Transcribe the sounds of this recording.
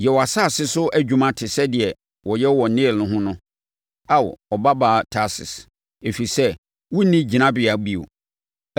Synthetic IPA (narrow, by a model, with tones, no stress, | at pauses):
jɛ˨wɔ˨a˨sa˦˨sɪ˦sʊ˦ʔæ˨d͡ʑᶣu˦mã˦tʰɪ˨sɛ˦dɪ˨ɛ˨ | wɔ˨jɛ˦wɔ˨n̩˨nɪ̃˦˨nʊ̃˦ɦʊ̃˦nʊ̃˦ | a˦˨w̰ɔ˨ba˦baː˨tʰa˦sɪ̰˨s | e˨fi˨sɛ˦ | wʊ˦nĩ˦d͡ʑi˨nã˦bɪ˨a˨ɡ͡bi˦o̰˨